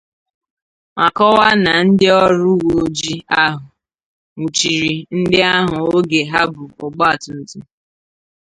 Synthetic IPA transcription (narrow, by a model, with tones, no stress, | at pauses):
ma˨kɔ˦wa˦na˨n̩˦dɪ˦ɔ˦ɾʊ˦wo˨d͡ʒi˦a˦ɦʊ˨ | u˨t͡ʃi˨ɾi˨n̩˦dɪ˦a˦ɦʊ˨o˦ɡe˨ɦa˦bʊ˨ʊ˨ɡ͡bɔ˦a˨tʊ˨n̩˨tu˦